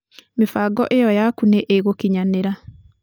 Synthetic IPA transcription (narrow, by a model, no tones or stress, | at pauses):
mefaɡɔʔejɔjakuneʔeɣokiɲaneɾa